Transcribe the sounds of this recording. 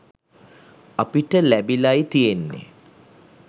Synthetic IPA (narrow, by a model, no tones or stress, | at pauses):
apiʈəlæbilajt̪ijenːḛ